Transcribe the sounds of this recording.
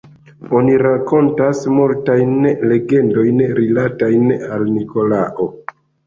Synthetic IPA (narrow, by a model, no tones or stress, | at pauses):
o̞niɾako̞ntasmultajnle̞ɡe̞ndo̞jnɾilatajnalniko̞laʔo̞